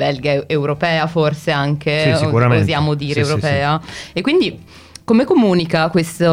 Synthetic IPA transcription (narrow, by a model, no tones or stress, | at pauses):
bɛlɡaewɾopɛːaforseaŋkeuaeozjaːmod̪iːɾeewɾopɛːaekːwind̪i | komekomuːnikakwest̪o